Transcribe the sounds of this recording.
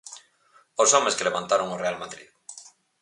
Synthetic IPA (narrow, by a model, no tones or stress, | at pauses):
osomeskeleβãnt̪aɾoŋorealmaðɾḭð